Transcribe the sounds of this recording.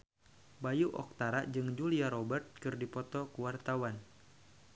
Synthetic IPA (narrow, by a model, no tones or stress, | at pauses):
bajuʔɔ̰k̚t̪aɾaʔd͡ʒɨŋd͡ʒuliaɾɔbɛrt̪̚kɨrdipɔt̪ɔkuwart̪awan